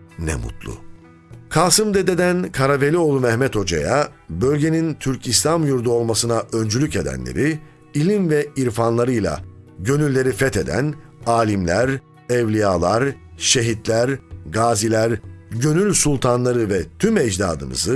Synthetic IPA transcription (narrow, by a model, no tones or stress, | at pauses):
nɛ̰mṵt̪ʰlˠʊ̰ | kʰaːsɯmd̪ed̪e̞d̪ænkʰaɾavelʲio̞lˠumɛhmɛt̪ʰo̞d͡ʒa̰jabø̞lʲɟe̞nint̪ʰyɾcʰislʲamjuɾd̪uo̞lˠmasɯnaʔø̞nd͡ʒylʲyce̞d̪æ̰nlʲḛɾi | ilʲinvɛiɾfanlˠaɾɯjlˠa̰ɟø̞nylʲːe̞ɾifɛt̪ʰe̞d̪æ̰naːlʲimlʲæɾ | ɛvlʲijaːlˠaɾʃe̞ɦit̪lʲæɾɡaːzilʲæɾɟø̞nylʲsulˠt̪ʰanlˠaɾɯvɛt̪ʰymɛd͡ʒd̪a̰ːd̪ɯmɯ̰zɯ